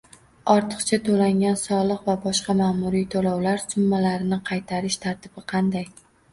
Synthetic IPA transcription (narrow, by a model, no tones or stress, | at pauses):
ɒɾt̪ʰɨ̥qt͡ʃʰat̪ʰolaŋʲansɒlˠɨqvabɒʃqɑmaːmʊɾijt̪ʰolɒwlaɾsʊmːalaɾɪnɪqʰɑjt̪ʰaɾɪʃt̪ʰaɾt̪ʰɪbɪqʰɑnd̪aj